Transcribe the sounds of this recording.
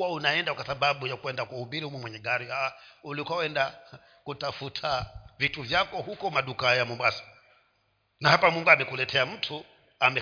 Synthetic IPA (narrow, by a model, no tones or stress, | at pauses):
waunaɛndakwasaɓaɓujakuɛndakuhuɓiɾihumwɛmwɛɲɛɡaɾiaulikawɛnda | kutafutʰavituvjakɔhukɔmaɗukajamumbasḁ | nahapamwuŋɡamɛkulɛtʰɛam̩tʰu | amɛ